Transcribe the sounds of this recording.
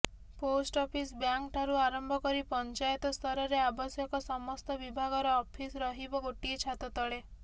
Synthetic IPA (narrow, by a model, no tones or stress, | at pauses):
posʈɔpʰisbjaŋkʈʰaɾuaɾɔmbʱɔkɔɾipɔnt͡ʃajɔt̪ɔst̪ʰɔɾɔɾeabɔsjɔkɔsɔmɔst̪ɔbibʱaɡɔɾɔːpʰisɾɔɦibɔɡoʈiet͡ʃʰat̪ɔt̪ɔɭe